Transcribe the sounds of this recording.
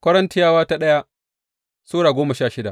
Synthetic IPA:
kʷɐ˦ɾɐ˦ntɪ˦jaː˦waː˦ta˦ɗɐ˦ja˦ | soː˦ɽaː˨ɡʷoː˦mɐ˨ʃaː˦˨ʃɪ˦da˨ʔ

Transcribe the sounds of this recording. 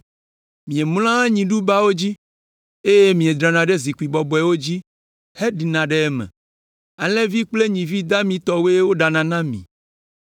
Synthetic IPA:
mĩ˨e˨m˦l̃ã˦ɲĩ˨ɖu˦ba˦wo˦d͡ʑi˦ | e˦je˦mĩ˨e˨d̪ɾa˨nã˨ɖe˦zi˨ku˨i˨bɔ˨bɔ˨˦ɛ˨wo˦d͡ʑi˦ | he˦ɖi˨nã˨ɖe˦ɛ˦mḛ̃˨ | a˨lẽ˦vi˦k͡ple˦ɲĩ˨vi˦d̪a˦mĩ˨t̪ɔ˨we˦wo˦ɖa˨nã˨nã˦mḭ̃˨

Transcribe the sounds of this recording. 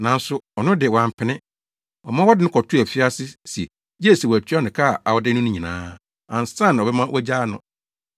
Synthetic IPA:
nã˨n̩˦sʊ˦ɔ˨nʊ̃˦dɪ˨wã˨m˨pʰɪ˨nɪ̃˦ | wɔ˨mã˦wɔ˦dɪ˦nʊ̃˦kʰɔ˨tʰu˦æ˨fi˦a˦sɪ˦si˨ | je˦˨si˨wɔ˨æ˨tʰɥa˦nɪ̃˨kʰa˦˨a˨wɔ˦dɪ˦nʊ̃˦nʊ̃˦ɲĩ˨nã̰ː˦ | ã˨n˨sã˦n˨ɔ˨bɛ˦mã˦wʔæ˦d͡ʑaː˦nʊ̰̃˦

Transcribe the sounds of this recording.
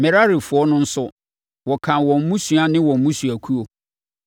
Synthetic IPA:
mɛ˨ɾa˦ɾi˨fʊ˨˦ɔ˦nʊ̃˦n̩˦sʊ˦ | wɔ˨kʰã˨wɔ̃˨m̩˨mũ˦su˨a˦nɪ̃˦wɔ̃˨m̩˦mũ˦su˨æ˨kʰu˦o˨

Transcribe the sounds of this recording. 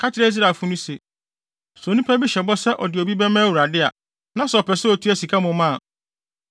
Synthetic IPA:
kʰa˦tɪ˦ɾɛ˦i˦s̬ɾa˨fʊ˦nʊ̃˦se˨ | so˨nũ˦pʰa˦bi˦ɕɛ˨bɔ˦sɛ˦ʔɔ˨dɪ˨ɔ˨bi˦bɛ˦mãː˦wu˨ɾa˨dɪ˦a̰˨ | nã˦sɛ˨ɔ˨pʰɛ˨sɛ˦ɔ˨tʰu˦æ˦si˨kʰa˦mʊ̃˨mã˦˨

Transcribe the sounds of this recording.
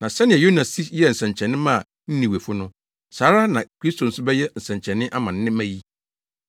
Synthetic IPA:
nã˨sɛ˦nɪ̃˨ɛ˨jo˦nã˨si˦jɛ˦n̩˨sɛ̃˨ɲt͡ɕʰɛ̃˨nːɪ̃˦mã˦˨ | n̩˦nĩ˨we˨fʊ˦nʊ̃˦ | saː˨˦ɾa˦nã˨kʰɾi˦stʰo˨n̩˦sʊ˦bɛ˦jɛ˦n̩˨sɛ̃˨ɲt͡ɕʰɛ̃˨nːɪ̃˦ʔa˦mã˨n˦nɪ̃˦mæ̃˦ji˦

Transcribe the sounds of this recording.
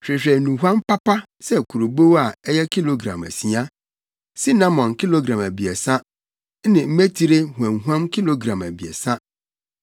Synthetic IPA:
ɕᶣɾɪ˨ɕᶣɛ˨nũ˨ɦʷã˦mpa˦pʰa˦ | sɛ˦kʰu˨ɾo˨bo˦wa˨ɛ˦jɛ˦kʰi˦lo˨ɡɾã̰˨mæ̰˨si˨ã˦ | si˦nã˦mɔ̃˨nki˦lo˦ɡɾã˨mæ˨bi˨ɛ˨sã˦ | nɪ̃˨m̩˦me˦tʰi˦ɾe˦hu˨ɛ̃˨n˨ɦu˦ã˦mkʰi˦lo˦ɡɾã˨mæ˨bi˨ɛ̰˨sã˦

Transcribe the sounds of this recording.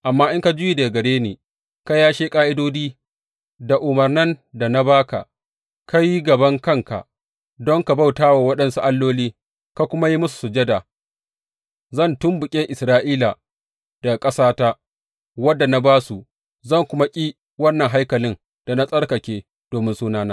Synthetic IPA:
ʔa˨mːaː˦ʔɪ˦ŋka˦d͡ʒʊ˦ji˨de˨ɡɐ˨ɽeː˦nḛː˨ | ka˦jaː˦ʃeː˦kʼaː˦ʔɪ˦doː˦diː˦ | da˨ʔʊ˨mɐ˨rnɐ˦nda˨na˦baː˦ka̰˨ | ka˦ji˦ɡɐ˨bɐ˦ŋkɐ˦ŋka̰˨ | dɔ˦ŋka˨ba˦˨wtaː˦waː˨wɐ˦ɗɐ˦nsu˦ʔa˦lːoː˦liː˦ | ka˨kʷʊ˦ma˦ji˦mʊ˦su̥˨su˨d͡ʒe˦da˨ | zɐ˦˨ntʊ˦mbʊ˨kʲʼɪ˦ŋʔɪ˨sɾaː˦ʔiː˦la˨ | d̥a˨kʼɐ˦saː˦ta˦ | wɐ˦dːa˨na˦baː˦su˨ | zɐ˦˨ŋkʷʊ˦ma˦kʲʼiː˦ | wɐ˦nːɐ˨ŋɦa˦jkɐ˨lɪ˦n | d̥a˨na˦sʼɐ˦ɽkɐ˨kʲeː˦ | d̥oː˨mɪ˦nsuː˦naː˦naː˦

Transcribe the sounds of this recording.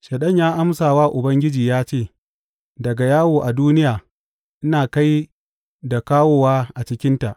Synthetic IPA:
ʃe˨ɗɐ˦ɲjaː˦ʔa˦msaː˨waː˦ʔʊ˨bɐ˦ŋɡʲɪ˦d͡ʒiː˨jaː˦t͡ʃeː˦˨ | dɐ˨ɡa˨jaː˦woː˨ʔa˨duː˦nɪ˦jaː˨ | ʔɪ˦naː˨ka˦j | da˨kaː˦woː˦waː˦ʔa˨t͡ʃɪ˦kʲɪ˦nta˨ʔ

